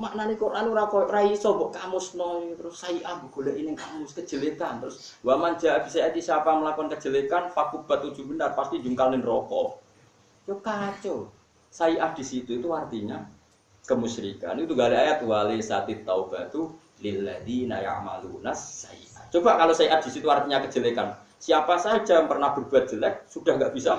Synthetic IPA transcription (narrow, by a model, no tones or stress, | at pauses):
maʔnanikonaniɾakɔjʔɾaisɔmbɔʔkamʊsnɔjɔt̪ɾʊsːaiʔahboɡ̥o̤laʔinɪŋkamʊskəd̥ʒ̥əlekant̪ɾʊs | wamand͡ʒaab̥isajat̪isapaməlakɔnkə̥ʒ̥ə̤lekanfakub̥a̤t̪u̥ʒ̥ṳbənarpast̪ind͡ʒuŋkalnɪnrɔkɔ̰ | jokat͡ʃɔ | saiʔahd̥i̤sit̪uit̪uart̪iɲa | kəmuʃɾika̰nit̪uŋɡaleajat̪uwalesat̪ɪt̪ːaub̥a̤t̪u | lɪlːaðina̰ja̰ʔma̰lunasːaḭʔaht͡ʃob̥aʔkalosaiʔahd̥isit̪uart̪iɲakə̥d͡ʒ̥əlekan | siapasḁd͡ʒampərnahb̥ərb̥uat̪̚ʒ̥əlɛk̚sud̥ahŋɡaʔb̥isa